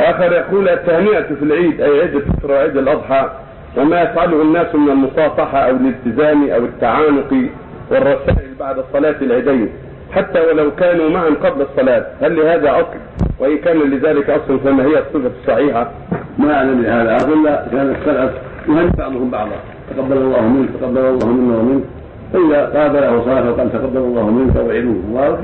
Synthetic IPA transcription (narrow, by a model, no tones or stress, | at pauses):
ʔaːxɑɾˤjaquːlʔat̪ːahmɪʔat̪filʕiːd̪ʔajʕɪd̪ːaɪsɾˤɑwʕɪd̪ːalʔɑd̪ˤħɑː | wɪmajafʕalʊhʊnːaːsmɪnalmʊsˤɑːfɑħɑʔawɪlɪlt̪ɪzaːmiʔa̰wɪt̪ːaʕaːnʊq | wɪrˤːɑsaːʔɪlbaʕd̪ɑsˤːɑlɑːt̪ɪlʕiːd̪ajn | ħat̪ːawalawkaːnumaʕamqɑblɑsˤːɑlɑːt̪̚halːɪhaːðaʔɑsˤl | wɪʔɪnkaːnalɪðaːlɪkʔɑsˤlɑnfiːmahɪjːasˤːɨfḁsˤːɑħiːħa | maʔaʕlamlɪhaːðaʔɑsˤlːakaːnat̪xalat | wɪhanɪfaʕd̪ʊhʊmbɑʕd̪ˤɑ̰ | t̪aqɑb̪ːalɑlːɑːhmɪnkt̪aqɑd̪ːalɑlˤːɑːhʊmɪnːawamɪnk | faʔɪðaqɑːb̪alahwsˤɑːɪħwqɑːlt̪aqɑd̪ːalɑlˤːɑːhmɪnkawʕɪd̪uhwɑɾ